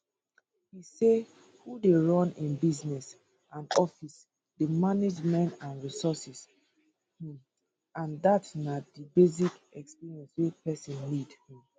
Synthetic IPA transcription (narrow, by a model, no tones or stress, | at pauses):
hise | hudeɹɔ̃nĩnbiznɛs | ãnɔfis | demaned͡ʒmɛ̃ntãnɹisɔsɛs | hĩm | ãndatnadibez̬ikɛkspiɹiɛ̃nswepɛsɔ̃nlidhĩm